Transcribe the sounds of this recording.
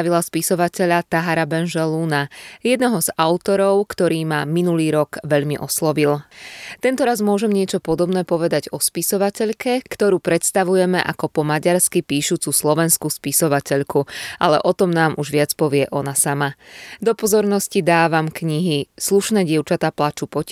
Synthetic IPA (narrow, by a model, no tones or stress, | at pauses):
ʋilaspisɔʋacɛʎat̪aɦaɾabɛnʒɛlunajɛd̪nɔɦɔz̥aʊt̪ɔɾɔʊkt̪ɔɾiːmaminuliːɾɔkʋɛʎmiʔɔslɔʋilt̪ɛnt̪ɔɾazmʊɔʒɛmɲɪɛt͡ʃɔpɔd̪ɔbn̪ɛːpɔʋɛd̪aɟɔspisɔʋacɛʎkɛkt̪ɔɾuːpɾɛt̪st̪aʋujɛmɛ̰ʔa̰kɔpɔmaɟaɾskipiːʃuːt͡suslɔʋɛnskuspisɔʋacɛʎkuʔalɛ̰ʔɔt̪ɔmnaːmʔuʒʋɪat͡spɔʋɪɛʔɔnasamad̪ɔpɔzɔɾnɔscid̪aːʋamkɲiɦisluʃnɛːɟɪɛʊt͡ʃat̪aːplat͡ʃupɔc